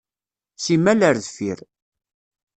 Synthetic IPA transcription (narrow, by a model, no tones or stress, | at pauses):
simæləɾðfiɾ